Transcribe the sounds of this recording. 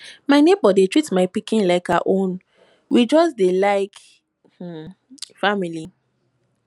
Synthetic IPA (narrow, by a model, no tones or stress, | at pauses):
maɪnebɔdetɹitmaɪpikĩnlaɪka̰ʔõn | wid͡ʒɔsdelaɪk | h̩ | famili